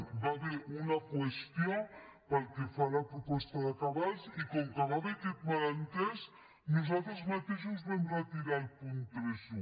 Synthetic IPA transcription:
baβeɾunakwest̪ijopəlkefalapɾupɔst̪aðakaβalzikɔŋkaβaβet̪it̪̚malant̪ɛs | nuzalt̪ɾəzmat̪eʃuzβɛmrat̪iɾalpunt̪ɾezu

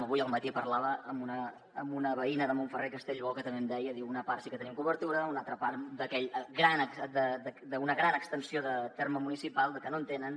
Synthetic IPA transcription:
məβujəlˠmət̪ipəɾlaβəəmbunəː | mbunəβəinəðəmoɱfərekəst̪eʎβɔlˠkət̪əmemd̪ɛjəðiwunəparsikət̪ənimkuβəɾt̪uɾəunalˠt̪ɾəpaɾd̪əkɛʎəɡɾanəkd̪əd̪əd̪əunəɣɾanəkst̪ənsioðət̪erməmunisipalˠd̪əkənont̪enən

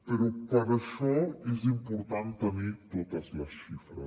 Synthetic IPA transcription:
peɾɔpəɾəʃɔezimpuɾt̪ant̪ənit̪ot̪əzləsʃifɾə

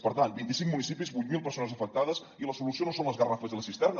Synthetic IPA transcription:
pəɾt̪ant̪bint̪isiŋmunisipizβujt̪̚milˠpəɾsonəzəfək̚t̪aðəz | iləsulusionosonləzɣərafəzðələsist̪ɛrnə

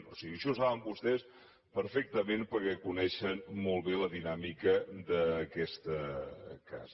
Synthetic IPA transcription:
nosiɣiəʃɔsaβəmbust̪ɛs | pəɾfɛk̚t̪əmenpəɾkɛkunɛʃənmɔlˠβeləðinamikəd̪əkɛst̪əka̰z

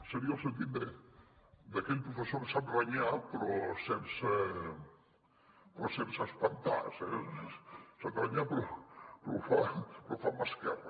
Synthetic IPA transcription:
seɾiaosẽnt̪̬it̪d̪e | d̪akeʎpɾufesoɾsat̪eβaɲapɾosemse | pɾoseɾsaspant̪a̰ɾse | sat̪eβaɲapɾopɾofapɾofamaskɛra

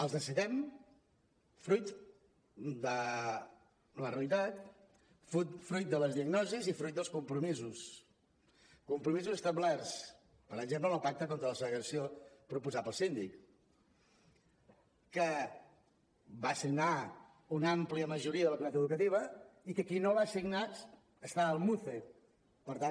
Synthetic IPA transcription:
əlˠzðəsiðɛm | fɾujt̪ | d̪ə | lərəlit̪at̪ | fut̪fɾujt̪̚d̪ələzðiəɡnɔzizifɾujt̪̚d̪əlˠskumpɾumizus | kumpɾumizuzəst̪əblɛrs | pəɾəɡʒemp̬ləəlˠpak̚t̪əkont̪ɾələsələɣɾəsiopɾupuzapəlˠsind̪ik | ə | basiɡna | unampliəməʒuɾiəðələkunat̪əðukət̪iβ̞əikəkinoβasiɡnat | əst̪aəlˠmuθe | pəɾt̪an

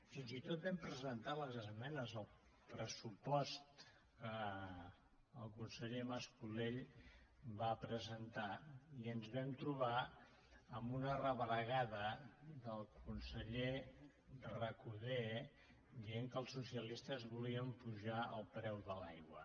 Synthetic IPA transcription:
finzit̪ot̪̚bɛmpɾəzənt̪aləzəzmɛnəzəlˠ | pɾəsupɔst̪ | kə | lˠkunsəʎeməskuleʎ | βapɾəzənt̪aiənzβɛmt̪ɾuβa | əmbunərəβɾəɣaðəðəlˠkunsəʎe | rəkuðe | d̪ieŋkəlˠsusiəlist̪əzβuliəmpuʒaə̰lˠpɾɛwðəlajɣwə

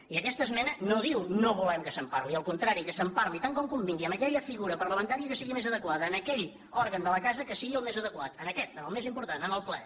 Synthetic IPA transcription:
iəkɛst̪əzmɛnənoðiwnoβulɛmkəsəmparliəlˠkunt̪ɾaɾikəsəmpaɾlit̪aŋkɔmkumbiŋɡiəməkɛʎəfiɣuɾəpəɾləmənt̪aɾiəkəsiɣimezəðəkwaðəːnəkɛʎ | ɔɾɣənd̪ələkazəkəsiɣiəlˠmezəðəkwat̪ənəkɛt̪əəlˠmezimpuɾt̪anənəlˠplɛ̰

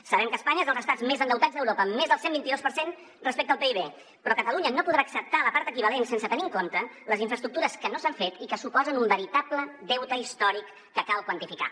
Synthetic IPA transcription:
səβɛmkəːspaɲəezəlˠzəst̪ad͡zmezənd̪əwt̪azðəwɾopəːmːezðəlˠsembint̪iðospəɾsen | rəspekt̪əlˠpeiβe | pɾɔkət̪əluɲənopuðɾaːksəp̚t̪aləpaɾt̪əkiβəlensensət̪əniŋkont̪ələziɱfɾəst̪ɾuk̚t̪uɾəskənosaɱfet̪ikəsupɔzənumbəɾit̪aplədɛwt̪əist̪ɔɾikːəkalˠkwənt̪ifika̰

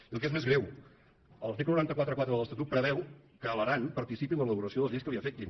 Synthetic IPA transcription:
iəlˠkezmezɣɾɛw | əlˠseklənuɾant̪əkwat̪ɾəkwat̪ɾəðələst̪ət̪ut̪̚pɾəβɛwkəːləɾanpəɾt̪isipilələβuɾəsioðəlzðiskəβiəfet̪̚ʎi

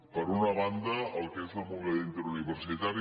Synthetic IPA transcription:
pəɾunəβand̪əəlˠkezəlˠmuβeðint̪əɾuniβəɾsit̪aɾ

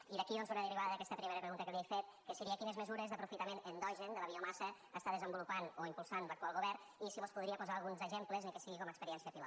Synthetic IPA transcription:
iðəkionzunəðəriβaðəðəkɛst̪əpɾimeɾəpɾəɣunt̪əkəlejfet̪̚kəsəɾiəkinəzməzuɾezðəpɾufit̪əmenənd̪ɔʒənd̪ələβiɔmasə | ast̪aðəzəmbulupanoimpulˠsanbəkwalˠɣuβɛɾ | isiβospuðɾiəpuzalˠɣunzəʒempləzəŋkesiɣikɔməkspəɾiɛnsiəpil

